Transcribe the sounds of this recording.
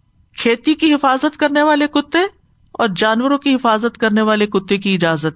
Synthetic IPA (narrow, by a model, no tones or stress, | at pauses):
kʰeːt̪ikiɦɪfaːzət̪kɐɾneʋaːlekʊt̪ːe | ɔːɾd͡ʒaːnwəɾõkiɦɪfaːzət̪kɐɾneʋaːlekʊt̪ːekiɪd͡ʒaːzət̪